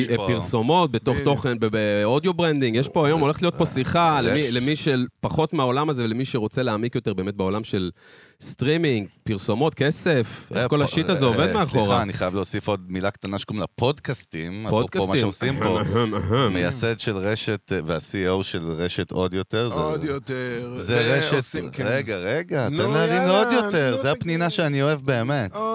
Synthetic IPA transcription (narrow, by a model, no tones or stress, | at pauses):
piʁso̞mo̞t̪̚be̞t̪o̞χt̪o̞χenbbeod̪jobʁend̪iŋɡjeʃpo̞ajo̞moleχtlijo̞t̪̚po̞siχalemilemiʃelpaχot̪meaolamaze̞vlemiʃeʁo̞t͡seleaːmikjo̞t̪e̞ʁbeːmet̚beo̞lamʃe̞l | st̪ʁimiŋɡpiʁso̞mo̞t̪̚kese̞fʔḛko̞laʃitazeovedmeaχoʁaːniχajavleosifo̞d̪̚milakt̪anaʃkumlapo̞d̪kast̪imapodokaomaʃeosimpoɦaaɦamejased̪ʃelʁeʃet̪veasiowʃelʁeʃet̪o̞d̪jo̞t̪eʁzot̪eʁzeʁeʃet̪ʁeɡaʁeɡatanaʁino̞d̪jo̞teʁzeapninaʃeanio̞evbe̞ːmet